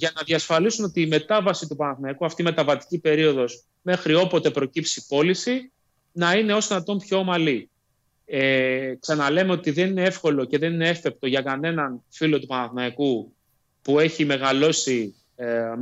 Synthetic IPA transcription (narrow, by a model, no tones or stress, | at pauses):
ʝɐnɐðiɐsfɐlisunot̪iːme̞t̪ɐvɐsit̪upɐnɐθnɐikuɐft̪ime̞t̪ɐvɐt̪i̥cipe̞ɾio̞ðo̞s | me̞xɾio̞po̞t̪e̞pɾo̞cipsipo̞lisi | nɐine̞o̞sðinɐt̪o̞mpço̞mɐli | eksɐnɐle̞me̞o̞t̪iðe̞nine̞efko̞lo̞ce̞ðe̞ninee̞fe̞p̚t̪o̞ʝɐkɐne̞nɐnfilo̞t̪upɐnɐθnɐiku | pue̞çime̞ɣɐlo̞si